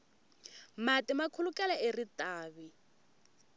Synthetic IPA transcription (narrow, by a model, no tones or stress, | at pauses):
matʼɪmakʰulukʼɛlaeritʼaːβi